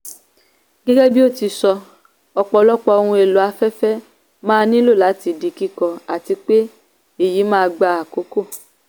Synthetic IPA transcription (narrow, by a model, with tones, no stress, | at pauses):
ɡɛ˦ɡɛ˦bi˦o˦˨ti˧sɔ˧ | ɔ˧k͡pɔ˨˧lɔ˦k͡pɔ˧o˧hũ˧e˨lo˨˦a˧fɛ˦fɛ˦ | mãː˦˧nĩ˦lo˦˨la˨˦ti˧di˧ki˦kɔ˧a˨ti˧k͡pe˦ | e˦˨ji˨˦mãː˦˧ɡ͡ba˧a˨ko˨˦ko˦˨